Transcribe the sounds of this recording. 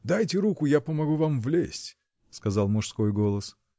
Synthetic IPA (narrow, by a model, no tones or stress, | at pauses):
d̪ajtʲɪɾukʊjapəmɐɡuvamvlʲḛsʲtʲ | skɐzɑlˠmʊʂsko̞jɡo̞lˠəs